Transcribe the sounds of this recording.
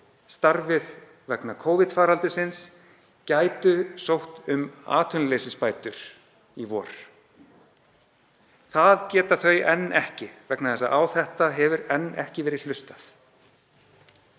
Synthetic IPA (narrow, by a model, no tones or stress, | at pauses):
st̪aɾvɪð | vɛknakʰoːwvɪt̪faːɾalt̪ʏsɪns | caːjt̪ʏsowht̪ʏma̰ːt̪ʰʏnleːsɪspaːjt̪ʏɾ̥ | ivɔːɾ̥ | θaðcɛːt̪aθœɥʔɛnːɛhcɪvɛknaθɛsːaʔaːwθɛht̪aɦɛvʏɾɛnːɛ̰hcɪvɛːɾɪð̥l̥ʏst̪aθ